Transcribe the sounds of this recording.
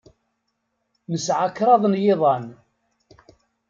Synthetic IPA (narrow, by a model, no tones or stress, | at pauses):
nəsʕakːɾˤɑðˤnjɪðˤɑn